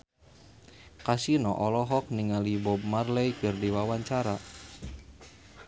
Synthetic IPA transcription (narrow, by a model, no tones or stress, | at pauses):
kasinɔʔɔlɔɦɔk̚niŋalibɔb̚marlɛjkɨrdiwawaɲt͡ʃaɾa